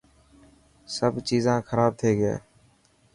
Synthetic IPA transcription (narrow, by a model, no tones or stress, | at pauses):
səbt͡ʃiːzãːkʰəɾaːb̚t̪ʰeːɡḛː